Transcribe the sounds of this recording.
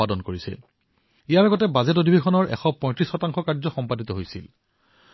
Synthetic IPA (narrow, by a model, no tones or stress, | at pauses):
adɔnkoɹisɛ̰ | ijaɹaɡɔtɛbazɛtodʱibexɔnɔɹʔɛ̰xɔpɔ̃j̃tɹisxɔtaŋxɔkaɹzɔxɔmpadit̪ɔɦojsḭl